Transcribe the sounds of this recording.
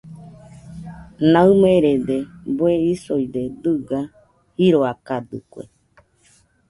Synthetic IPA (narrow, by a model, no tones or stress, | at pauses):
nãɨmeɾed̪eboeisojd̪ed̪ɨɡa | hiɾoakad̪ɨ̰kʷḛ